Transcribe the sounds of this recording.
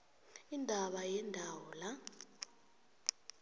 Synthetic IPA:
indʱaɓajɛndʱawɔla

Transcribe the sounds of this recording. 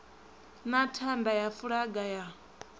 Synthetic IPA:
natʰandajafuɺaɡaja

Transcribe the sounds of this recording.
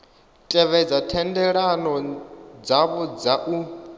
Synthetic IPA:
tʼɛβɛd͡zatʰɛndɛɺanɔd͡zaβɔd͡zaʔu

